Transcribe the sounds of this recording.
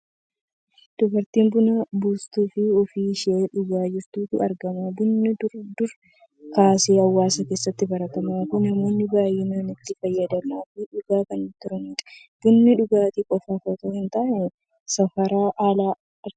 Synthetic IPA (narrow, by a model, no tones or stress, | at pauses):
d̪̥ʊbɐɾt̪iːmbʊnabuːst̪uːfɪɔfiːʃɪʔeːᶑʊɡaːd͡ʒɪɾt̪uːfɪɐ̰ɾɡɐmaːbʊnːɪd̪ʊɾ | kaːseːɐwːaːsɐke̞ːsːɐt̪ːɪbɐɾɐt̪ɐmaːfʊnɐmo̞ːnːɪbaːjɪnaːnɪt̪ːɪfɐjːɐd̪ɐmaːfɪᶑʊɡaːkɐnɪt̪ʊɾɐniːᶑɐ̥ | b̥ʊnːɪᶑʊɡaːt̪ikʼɔfɐfɐt̪oːhɪnt̪aːʔɪn | sɐfɐɾaːʔaːlaː